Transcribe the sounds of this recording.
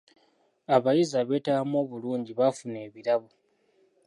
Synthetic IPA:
aβajizaβe̞ːtaamo̞ːβuluːɲɟiβafune̞ːβiɾaβo

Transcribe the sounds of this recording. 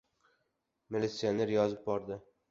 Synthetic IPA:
milʲit̪sijone̞ɾjɒzɪp̚bɒɾd̪ɪ

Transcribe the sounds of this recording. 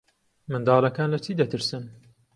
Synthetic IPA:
mɨnd̪ɑːlɐkaːnlɐt͡ʃiːd̪ɐt̪ɨɾsɨn

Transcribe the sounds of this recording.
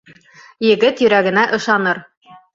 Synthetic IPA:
jɘ̆ɡɘt̪jɵ̆ɾæɡɘ̆næʔɤ̆ʃɑnɤɾ

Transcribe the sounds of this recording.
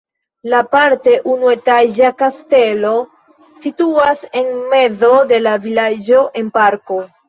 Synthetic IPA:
lapaɾte̞ʔunue̞taʒakaste̞lo̞ | situase̞nme̞zo̞de̞lavilad͡ʒo̞ʔe̞npaɾko̞

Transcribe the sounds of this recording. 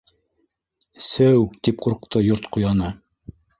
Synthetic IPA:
sɘwt̪ip̚quɾqt̪ɤjoɾt̪qujɑnɤ

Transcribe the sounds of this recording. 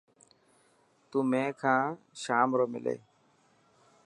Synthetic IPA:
t̪uːmẽːkʰãː | ʃaːmɾoːmɪ̰lḛː

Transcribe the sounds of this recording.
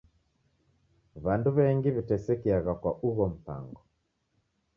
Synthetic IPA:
βanduβɛŋɡiβitɛsɛkiaɣakwaʔuβɔm̩pa̰ŋɡɔ

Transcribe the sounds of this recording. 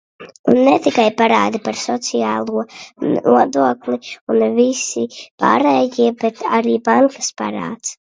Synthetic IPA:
unːɛt̪ikajpaɾaːd̪ipaɾsɔt̪siaːlˠuɔuɔd̪uɔklˠiunvisipa̰ːɾɛːjiɛbɛt̪aɾiːbaŋkḁspa̰ɾa̰ːt̪s

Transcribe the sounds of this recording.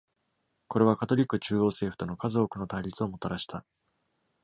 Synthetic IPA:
ko̞ɾe̞β̞akat̪o̞ɾʲikːɯ̟t͡ɕɨːo̞ːse̞ːɸɯ̟̥t̪o̞no̞kazo̞ːkɯ̟no̞t̪aiɾʲit͡sɨo̞mo̞t̪aɾaɕi̥t̪a

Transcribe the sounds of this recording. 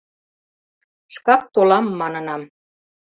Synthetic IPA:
ʃkɑk̚t̪olɑmːɑnɤ̆nɑm

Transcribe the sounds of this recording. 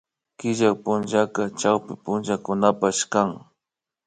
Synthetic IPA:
kɪʒakpʊnʒakat͡ʃawpɪpʊnʒakʊnapaʃkaŋ

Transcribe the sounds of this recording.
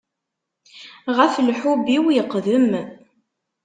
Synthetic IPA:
ʁəflħubiwjəqːðəm

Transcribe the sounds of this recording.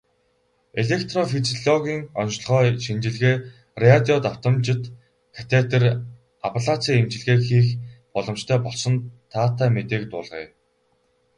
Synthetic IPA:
eɮekt̪rɔfit͡siɮɔɣʲiːŋɔn̆ɮχœːʃint͡ɕɪ̆ɮɣeː | reat̪ʲiɔt̪aw̥t̪ə̆mt͡ɕɪ̆t̪ | kʰḁt̪ʰet̪ə̆r | apɮat͡sʰiːemt͡ɕɪ̆ɮɣeːxiːxpɔɮɞ̆mt͡ɕt̪ʰœːpɔɮsɞ̆nt̪ʰːaːt̪ʰaːmet̪eːkt̪ʊ̰ːɮʁḛː

